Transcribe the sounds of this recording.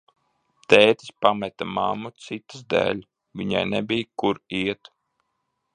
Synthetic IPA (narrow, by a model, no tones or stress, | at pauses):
t̪ɛːt̪ʲi̥spamɛt̪amamːut̪sit̪ɨ̥sd̪ɛ̰ːlʲ | vʲiɲa̰jnɛbijkuɾiɛt̪